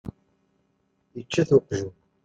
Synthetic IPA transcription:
jət͡ʃːæθuqːʒu

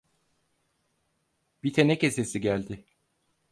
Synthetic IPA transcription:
b̥it̪ʰenɛce̞se̞siɟælʲd̪ɪ

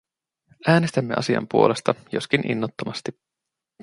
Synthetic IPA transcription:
ʔæːnest̪æmːe̞ʔɑ̰siɑ̰mpuo̞le̞st̪ɑjo̞skinʔḭnːot̪ːomɑst̪i

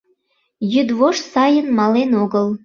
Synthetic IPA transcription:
jyd̪βoʃsɑjənmɑlenoɣəl

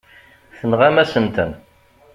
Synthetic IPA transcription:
θənʁamæsənt̪ən

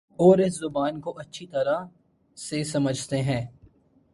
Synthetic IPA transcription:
ɔːɾɪszʊbaːnkoʔɐtːʃʰit̪ɐɾa | sesɐməd͡ʒʱt̪eɦɛ̃ː

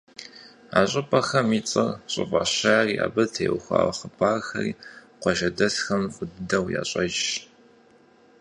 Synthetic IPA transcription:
aːɕʼɪpʼɐxɐmiːt͡sʼɨrɕʼɪ̰fʼaɕaːriːʔa̰ːbɐtʰḛːwxʷa̰ːwχəpʰʼaːrxɐ̰riːqʷɔʒɐdɐɬxɐmfʼʊddɐwja̰ːɕʼɐʒ

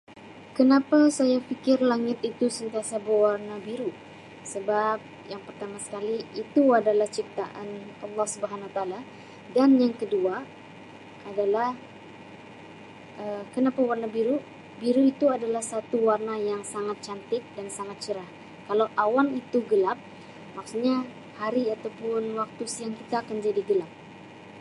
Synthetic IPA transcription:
kənapasajafikɪrlaŋɪt̪it̪usənt̪iasabəwarnabiɾu | səbap̚jaŋpərt̪amasə̥kaliːt̪uadalaht͡ʃik̚t̪aʔanɑlːɑhsubəɦanwat̪aaːla | danjaŋkədua | adalah | ʔəkənapawarnabiɾu | biɾuit̪uadalahsat̪uwarnajaŋsaŋat̪̚t͡ʃant̪ɪk̚dansaŋat̪̚t͡ʃəɾah | kalawʔawalit̪uɡəlap̚ | maksuɲa | haɾiat̪awpʊnwak̚t̪usəjaŋkit̪aːkand͡ʒadiɡəlap̚

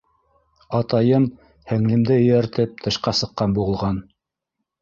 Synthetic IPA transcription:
ɑt̪ɑjɤm | hæŋlɘ̆md̪ɘɵ̆jæɾt̪ɘp̚t̪ʰɤ̆ʃqɑsɤ̆qːɑnbuʁɤ̆lˠʁɑn

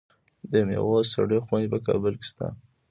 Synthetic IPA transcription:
d̪əmḛwɑsaɽexwanpəkɑbəlke̥st̪a̰

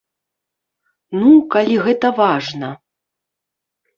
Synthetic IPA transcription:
nukalʲiɣɛt̪ɐvaʐnɐ

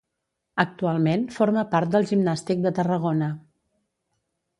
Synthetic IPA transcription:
ək̚t̪ualˠmenfoɾməpaɾt̪̚d̪əlˠʒimnast̪ik̚d̪ət̪ərəɣonə

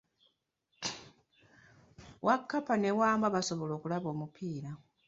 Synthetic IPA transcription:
wʔakːapane̞waːmbaβasoβo̞lo̞ːkulaβo̞ːmupʰiːɾa

